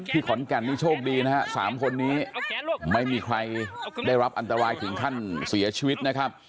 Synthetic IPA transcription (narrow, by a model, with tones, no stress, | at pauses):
t̪ʰiː˥˩kʰɔ˩˦nkɛ˨˩nːiː˥˩t͡ɕʰoː˥˩k̚diː˧na˦˥ha˦˥sa̰ː˩˦mkʰo˧nːiː˦˥ma˥˩jmiː˧kʰɾa˧jdaː˥˩jɾa˦˥p̚ʔa˧nt̪a˧ɾaː˧jt̪ʰɯ˩˦ŋkʰa˥˩nsi˩˦ɐt͡ɕʰiː˧wi˦˥t̪̚na˦˥kʰa˦˥p̚